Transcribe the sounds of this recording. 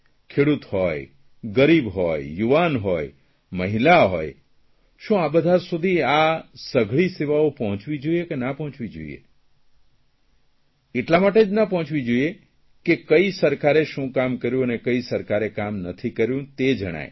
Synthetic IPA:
kʰeɽut̪hoj | ɡəɾibɦɔjjuʋanɦoj | məɦilaɦo̰j | ʃũabəd̪ʱasud̪ʱiasəɡʱɭiseʋaopɔɦɔ̃t͡ʃʋid͡ʒoiekenapəɦɔ̃t͡ʃʋid͡ʒo̰ḭḛ | eʈlamaʈed͡ʒnapə̃ɦɔ̃t͡ʃʋid͡ʒoie | kekəisəɾkaɾeʃũkamkəɾjũənekəisəɾkaɾekamnət̪ʰikəɾjũt̪ed͡ʒəɽ̃a̰j

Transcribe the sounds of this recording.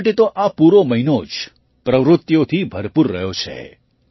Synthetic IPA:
ʈet̪oʔapuɾoməɦinod͡ʒ | pɾəʋɾʊt̪ːjot̪ʰibʱəɾpuɾːə̰ɦjot͡ʃʰḛ

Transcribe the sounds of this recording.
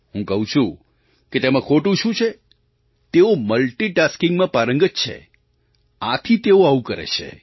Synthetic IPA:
ɦũkəɦũt͡ʃʰũ | ket̪emãkʰoʈũʃũt͡ʃʰe | t̪eoməlʈiʈaskɪ̃ŋɡmãpaɾəŋɡətt͡ʃʰḛ | at̪ʰit̪eoaũkəɾḛt͡ʃʰḛ

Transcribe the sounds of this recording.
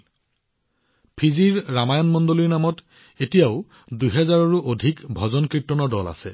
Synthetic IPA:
pʰiziɹːamajɔnmɔndoliɹnamɔt | etijaʊ | dujɦɛzaɹɔɹuʔodʱikbʱɔzɔnkɹitːɔnɔdɔla̰sɛ̰

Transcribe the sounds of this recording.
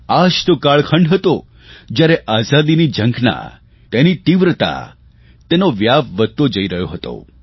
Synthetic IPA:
ad͡ʒt̪okaɭkʰəɳɖɦət̪o | d͡ʒjaɾɛʔazad̪inid͡ʒə̃ŋɡna̰ | t̪enit̪iʋɾət̪a̰ | t̪enoʋjapʋəd̪̚t̪od͡ʒəiɾəɦjoɦət̪o̰

